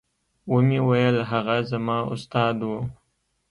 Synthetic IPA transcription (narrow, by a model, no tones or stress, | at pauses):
wumiwajəlɦaɣazamɑʊ̰st̪ɑːd̪wu